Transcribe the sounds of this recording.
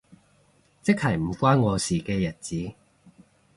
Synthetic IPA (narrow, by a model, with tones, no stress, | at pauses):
t͡sɪ˥k̚hɐ˨˩jm̩˨˩kʷwaː˥nŋɔː˨˧siː˨˩kɛː˧jɐ˨˩t̚t͡siː˨˦